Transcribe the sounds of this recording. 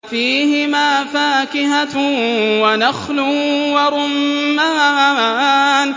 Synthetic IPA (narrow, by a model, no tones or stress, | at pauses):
fiːɦɪmaːfaːkɪɦa | wanaxlʊwɑɾˤʊmːaː | n